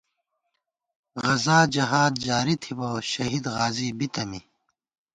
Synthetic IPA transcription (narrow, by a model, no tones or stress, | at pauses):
ɣɐzaːd͡ʑɐɦaːd̪̚d͡ʑaːɾit̪ʰiboɕɐɦid̪ɣaːzibit̪ɐmi